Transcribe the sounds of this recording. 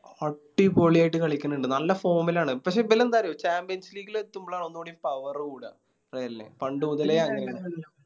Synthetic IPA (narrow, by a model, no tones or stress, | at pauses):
ɐʈːipoɭijaːjʈːɨkɐɭikʲːunːuɳɖɨnɐlːɐfo̞ːmilaːɳɨpɐkʂ̬e̞ːbelend̪aːɾɐjoːt͡ɕaːmpjɐnsliːɡilet̪ːumboɭaːɳo̞nːuoːɽiumpɐʋɐrkuːɽa̰ | rejlːḛpɐɳɖɨmuðɐleːɐŋːɐneɐɳ